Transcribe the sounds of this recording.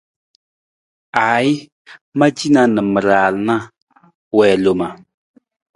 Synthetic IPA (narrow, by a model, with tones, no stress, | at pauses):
aː˨˦i˦ | ma˦d͡ʒi˦na˨˦nɨ˨mə˨ɾaː˨lna˦ | wɛː˨lo˨ma˨